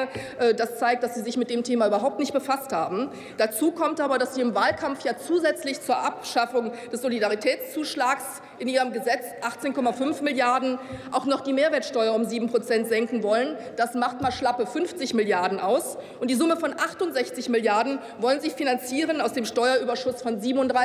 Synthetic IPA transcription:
ʔɛːdast͡saɪk̚td̥asz̥iːzɪçmɪtd̥eːmtʰeːmayːbɐɦaʊp̚tnɪçt̚b̥əfasthaːbm̩ | d̥at͡suːkʰɔmtʔaːbɐɾasz̥iːɪmvaːlkʰamfjaːt͡suːzɛt͡slɪçt͡suːɐʔapʃafʊŋd̥ɛsz̥olidaʁitʰɛːt͡st͡suːʃlaːks | ʔɪnʔiːʁəmɡəzɛt͡sʔaχt͡seːnkʰɔmafʏnfmɪljaɐdn̩ʔaʊxnɔχd̥iːmeːɐveːɐtʃtɔʏɐʊmziːbm̩pʁ̥ot͡sɛntz̥ɛŋkŋ̩vɔlənd̥asmaχtmaʃlapəfʏnft͡sɪçmɪljaɐdn̩ʔaʊsʔʊntd̥iːzʊməfɔnʔaχtʊntz̥ɛçt͡sɪçmɪljaɐdn̩ | vɔlənzɪçfinant͡siːʁənaʊsd̥eːmʃtɔʏɐʔyːbɐʃʊsfɔnziːbm̩ʊntdʁa

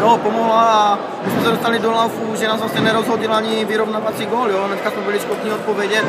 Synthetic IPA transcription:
jɔpɔmɔɦlaa | mismɛsadost̪alid̪ɔlawfuʒɛnaːzvasɛnɛɾɔzɦɔɟilaɲiviɾɔvnaːʋat͡siɡɔːljɔlɛnɛskaːzmɛbiliʃkɔt̪ɲiːɔt̪̚pɔʋɛɟɛ

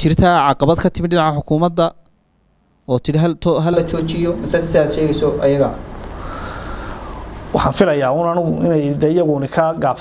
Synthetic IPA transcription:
t͡ʃɪrt̪ʰaʕɑqɑβɐd̪kʰɐt̪ʰɪmɪd̪ɖɪnɑʕaħʊkʰuːmɐd̪ːɐ | ɔːt̪ʰɪɽɪɦ̪ʰɦɐlɐt͡ʃɔːt͡ʃɪjɔmɪsaːsɪaːd̪ʃɛːɣɛjsɔɐjɐɣɐ | wɑħɑːnfɪlɐjaːuːnɐnʊɣʊʔɪ̰nɛjd̪ɛjɐɣʊnɪkʰɐɡaːb

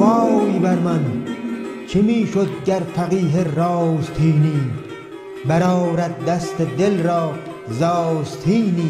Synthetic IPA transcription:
wɑːjbɐɾmɐn | t͡ʃʰimiːʃod̪̚ɡɐɾfɐqiːɦeɾɑzt̪ʰiːniː | bɐɾɑːɾɐt̪̚d̪ɐst̪ed̪elɾɑː | zɑzt̪ʰiːniː

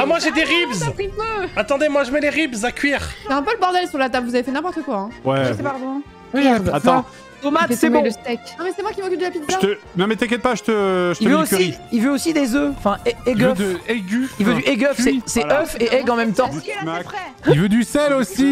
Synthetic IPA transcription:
amwaʒed̪eʁibzipøat̪ɑ̃d̪emwaʒəmɛleʁibzakʲɥiʁsɛɛ̃pøləbɔʁd̪ɛlsyʁlat̪ablvuzavefɛnɛ̃pɔʁt̪əkwaɛ̃wɛʒsɛpaʁd̪ɔ̃ | wiat̪ɑ̃ | d̪omatsɛbləst̪ɛknɔ̃mɛsɛmwakʲimokʲyld̪əlapit̪zʒat̪ə | nɔ̃mɛt̪ɛk̬ʲɛt̪̚paʒət̪əʒətiəvøosiilvøosid̪ezøɑ̃fɛ̃ɛɛɡøfɛɡʲyilvøyʔeɡœfsɛsɛœfeʔɛɡɑ̃mɛmt̪ɑ̃mχɛ | ivød̪ysɛlosi

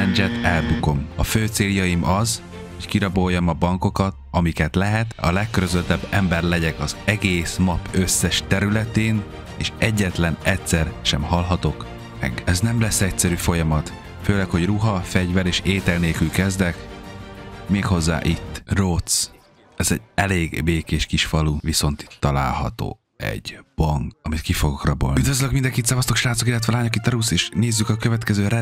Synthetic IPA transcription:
ɛnd͡ʒɛt̪ɛlbuko̞mɒføːt̪seːljɒjimʔɒz | ho̞ckiɾɒbojːɒmɒbɒŋko̞kɒt̪ɒmikɛt̪lɛɦɛt̪ɒ̰lɛkːøɾøzøt̪ɛbːɛmbɛrlɛɟɛkɒzɛɡeːsmɒpøsːɛʃt̪ɛɾylɛt̪eːn | eːʃʔɛɟːɛt̪lɛnɛcsɛrʃɛmhɒlɦɒt̪o̞k | mɛ̰ɡɛznɛmlɛsːɛcsɛɾyfo̞jɒmɒt̪ | føːlɛkho̞ɟruɦɒfɛɟvɛɾeːʃeːt̪ɛlneːlkylkɛzd̪ɛk | meːkho̞zːa̰ːʔit̪ːrot̪s | ɛzɛ̰ɟɛleːɡbeːkeːʃkiʃfɒluviso̞nt̪i̥t̪ːɒla̰ːlɦɒ̰t̪o̰ː | ɛ̰ɟb̥ɒŋkɒmit̪kifo̞ɡokrɒbo̰lyid̪vøzløkmind̪ɛŋkit̪sɒvɒst̪o̞kʃraːt̪sokilːɛt̪vɛːlaːɲokit̪ːɒɾuseːʃneːzːykɒkøvɛt̪kɛzøːɾɛ

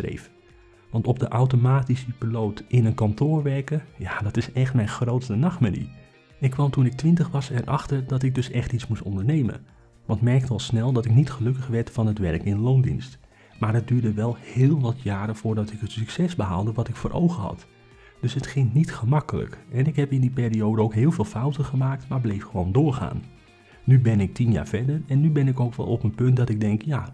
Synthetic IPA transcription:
rḛjf | ʋɑntɔp̚dəʔawtomaːtisəpilowtʔɪnənkɑntoːɹʋɛrkəjadɑtɪsɛχtmɛjnχrowtstənɑχtmanḭ | ɪkːʋɑmtunɪk̚tʋɪntəχʋɑsɛrʔɑχtərdɑtɪk̚dɵsɛχtismustɔndəɹnejmə̰n | ʋɑntmɛrktəɑlˠsnɛlˠdɑtɪknitχəlɵkəχʋɛɹtfɑnətʋɛrkɪnəlowndḭnst | maːrət̚dyːɹdəʋɛlˠhɪːlˠʋɑtʰjaːɾəv̥ʊːɹdɑtɪkɦətsyksɛsbəɦa̰lˠdəʋɑtɪkfoːrʔo̰wχəɦɑ̰t | d̥øsɦətχɪŋnitχəmɑkələ̰kɛnɪkɦɛpɪndipeːriowdəowkɦɪːlˠvɪːlˠfawtəχəmaːk̚tmaːɹblejfχəʋowndʊːɹχa̰ːn | nybɛnɪk̚tinja̰ːɹfɛɹdərɛnːybɛnɪkowkʋɛ̰lˠɔpənpɵntdɑtɪɡ̚dɛŋkjaː

